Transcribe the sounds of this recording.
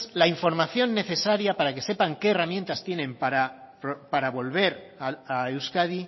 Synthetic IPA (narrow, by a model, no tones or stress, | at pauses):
laiɱfo̞ɾmaθjo̞nːe̞θe̞saɾjapaɾake̞se̞paŋke̞ːramje̞nt̪ast̪je̞nẽ̞mpaɾa | pɾopaɾaβo̞lβ̞e̞ɾ | aaewskaði